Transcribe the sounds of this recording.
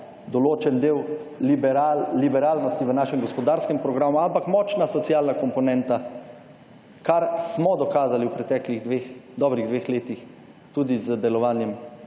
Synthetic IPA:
d̪ɔloːt͡ʃɛnd̪eːwbalibɛɾaːlnɔst̪iʋənaːʃɛmɡɔspɔd̪aːɾskɛmpɾɔɡɾaːmuampakmɔːt͡ʃnasɔtsijaːlnakɔmpɔnɛnt̪a | kaɾsmɔd̪ɔkaːzaliwpɾɛt̪ɛːkliɣd̪ʋeːxd̪ɔːbɾiɣd̪ʋexleːt̪ix | t̪ud̪izəd̪ɛlɔʋaːnjɛm

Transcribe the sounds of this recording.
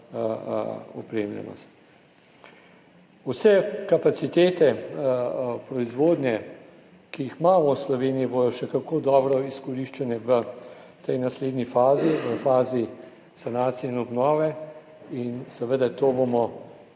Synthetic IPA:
ɔ̰pɾeːmlʲɛ̰nɔ̰st̪ | usɛkapat̪sit̪eːt̪ɛ | pɾɔizʋoːd̪njɛ | kiixmaːmɔslɔʋeːniibod̪ɔʃɛkakoːd̪ɔːbɾɔiskɔɾiʃt͡ʃanɛʋət̪ɛjnasleːd̪nifaːziʋəfaːzi | sanaːt̪sijɛinɔbnɔːʋɛ | insɛʋəd̪at̪oːbomɔ

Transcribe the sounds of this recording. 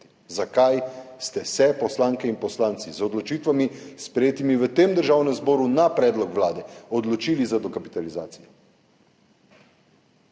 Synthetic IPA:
i | zakajst̪ɛsɛpɔslaːŋkɛinpɔslaːnt̪sizɔd̪lɔt͡ʃiːt̪ʋamispɾɛjeːt̪imiʋət̪eːmd̪əɾʒaːwnɛmzbɔːɾunapɾɛːd̪lɔkʋlaːd̪ɛɔd̪lɔt͡ʃiːlizad̪ɔkapi̥t̪aliza̰ːt̪sijɛ

